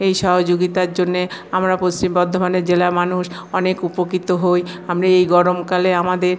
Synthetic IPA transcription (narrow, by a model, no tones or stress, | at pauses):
ejʃɔɦod͡ʑoɡit̪aɾd͡ʑonːeamɾapost͡ɕimbɔd̪ʱːobaneɾd͡ʑelamanuʃ | ɔnekupokɾit̪oɦojamɾaejɡɔɾomkaleamad̪eɾ